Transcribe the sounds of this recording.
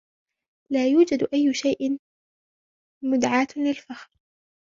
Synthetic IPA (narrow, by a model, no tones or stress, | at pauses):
laːjuːd͡ʒad̪ʔajːʊʃajʔɪ | mʊd̪ʕaːt̪lɪlfaxɾ